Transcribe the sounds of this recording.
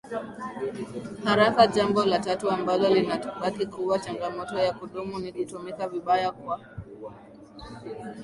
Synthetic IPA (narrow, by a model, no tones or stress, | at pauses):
haɾakaʄambɔlatatuambalɔlinatuɓakikuwat͡ʃaŋɡamɔtɔjakuɗumunikutumikaviɓajakwa